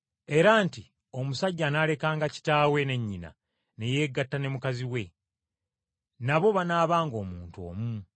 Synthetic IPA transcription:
e̞ɾaːnti | o̞musaɟːanale̞kaːŋɡaci̥taːwe̞ne̞ɲːina̰ | ne̞jeːɡatːane̞mukaziwe̞ | naβo̞βanaːβaːŋɡo̞ːmuːntuo̞̰ːmu

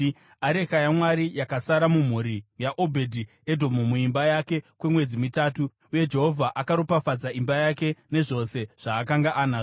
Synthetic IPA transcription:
aɾe̞xajamwaɾijakasaɾamum̤uɾijaʔobʱe̞dʱi | e̞dʱo̞mumuimbajake̞kwe̞mwe̞d͡zimitaːtu | uje̞d͡ʒe̞ɦo̞vʱaʔakaɾopafad͡zaimbajake̞ne̞ʐo̞se̞ʐ̥aːkaŋɡaʔanaː

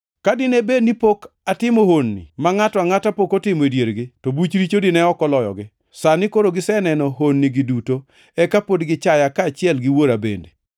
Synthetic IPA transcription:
kadɪnebenipok | atɪmohonːḭmaŋatɔaŋatapokotɪmɔedjeɾɡɪtobut͡ʃɾit͡ʃodɪnɛɔkɔlɔjɔ̰ɡɪ | sanɪkoɾoɡɪsɛnɛnɔɦonːiɡɪduto | ɛkapodɡɪt͡ʃajakaːt͡ʃɪɛlɡɪwoɾabḛnde

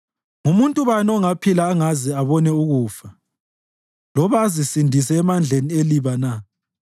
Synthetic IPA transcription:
ŋumuntʼuβanɔŋapʰilaːŋazɛaβɔnɛuɣuːfa | lɔβaːzisindʱis̬ɛːmand͡ɮʱenieliβana

